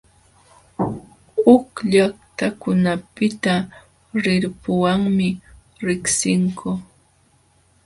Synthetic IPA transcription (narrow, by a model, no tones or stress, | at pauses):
ʊkʎaχt̪akʊnapɪt̪a | ɾɪɾpʊwaŋmɪ | ɾɪksɪŋkʊ